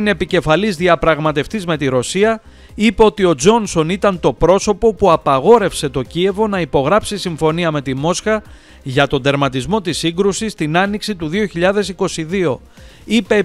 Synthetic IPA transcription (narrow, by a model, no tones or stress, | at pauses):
neepice̞fɐlizðiɐpɾɐɣmɐt̪e̞ft̪izme̞t̪iɾo̞siɐ | ipe̞ot̪io̞d͡zo̞nso̞nit̪ɐnt̪o̞pɾo̞so̞po̞puɐpɐɣo̞ɾe̞fse̞t̪o̞cie̞vo̞nɐipo̞ɣɾɐpsisiɱfo̞niɐme̞t̪imo̞sxɐ | ʝɐt̪o̞nd̪e̞ɾmɐt̪izmo̞t̪isiŋɡɾusist̪inɐniksit̪uðio̞çiʎɐðe̞siko̞siðio̞ | ipe̞